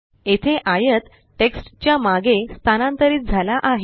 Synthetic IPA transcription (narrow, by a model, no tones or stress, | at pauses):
et̪ʰeʔajət̪ | ʈeksʈt͡ɕjamaɡest̪ʰanãnt̪əɾiːt̪̚d͡zʱalaʔaɦe